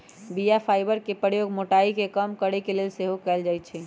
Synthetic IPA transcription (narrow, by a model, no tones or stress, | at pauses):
bijapʰaɪbəɾkepəɾjoɡmoʈaikekəmkəɾekelelseɦokɛld͡ʒajt̪t͡ʃʰɛ